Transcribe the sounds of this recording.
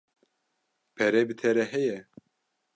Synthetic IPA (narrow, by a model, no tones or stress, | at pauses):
pʰɛɾɛbɨt̪ʰɛɾɛɦɛjɛ